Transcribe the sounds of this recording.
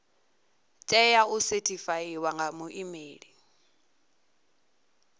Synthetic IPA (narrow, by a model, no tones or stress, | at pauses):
t͡ʃʼɛjausetʼifaiwaŋɡamuʔimeːɺi